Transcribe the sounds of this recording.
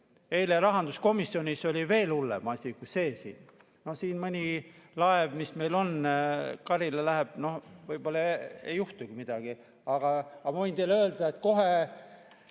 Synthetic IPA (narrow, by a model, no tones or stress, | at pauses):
e̞jleɾɑɦɑnd̪usko̞misːio̞nʲiso̞lʲive̞ːlulːḛmɑsʲikuse̞ːsḭːn | no̞hsiːnmɤnʲilɑevmisme̞jlo̞nkɑɾilelæɦeb̥̚no̞hvɤjb̥o̞lːɑejːuht̪uɡimid̪̥ɑɡ̥i | ɑɡ̥ɑɑmɑvɤjnt̪ejlø̞ːld̪̥ɑet̪ko̞ɦe